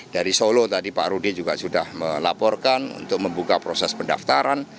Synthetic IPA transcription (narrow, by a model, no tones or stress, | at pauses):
daɾisolot̪adipa̰ʔɾudid͡ʒuɡasudahməlapɔrkanṵnt̪ʊk̚məmbukapɾosɛspənda̰ft̪aɾan